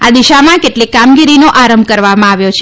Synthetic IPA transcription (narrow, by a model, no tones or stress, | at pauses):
ad̪iʃamãkeʈlikamɡiɾinoʔaɾəmbʱkəɾʋamãaʋjot͡ʃʰ